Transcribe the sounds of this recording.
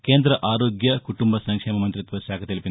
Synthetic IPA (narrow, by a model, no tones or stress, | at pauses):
keːnd̪ɾɐʔaːɾoːɡjɐkuʈumbɐsɐŋkʂeːmɐmɐnt̪ɾit̪ʋɐʃaːkʰɐt̪ilipin